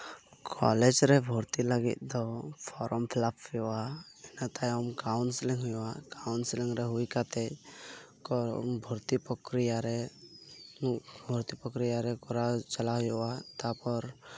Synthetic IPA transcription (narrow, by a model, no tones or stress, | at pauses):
kʰɔ̰lɛd͡ʒɾɛbʱɔɾt̪ilaɡḭt̪̚d̪ɔpʰɔɾʔɔmpʰlapʰːɛwa | ɛnat̪ajɔmkawnsliŋɦujakawnsliŋɾɛɦujkat̪ɛ | kɔbʱɔɾt̪ipɔkɾijaɾɛ | bʱɔɾt̪ipɔkɾijaɾɛkɔɾat͡ʃalaɦujɔat̪apɔɾ